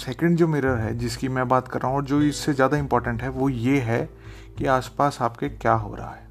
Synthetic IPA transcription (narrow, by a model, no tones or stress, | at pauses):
sɛːkə̃ɳɖd͡ʒoːmɪːɾəɾɦɛd͡ʒɪskimɛ̃ːbaːt̪kɐɾːaːɦũɔːɾd͡ʒoːɪsːezjaːd̪aɪ̃mpɔːɾʈə̃ɳʈɦɛʋojeɦɛ | kiaːspaːsaːpkekjaːɦo̰ːɾa̰a̰ɦɛː